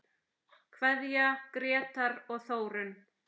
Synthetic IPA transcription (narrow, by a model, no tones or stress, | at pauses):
kʰvɛðjakɾɛːt̪aɾɔɣθoːwɾʏn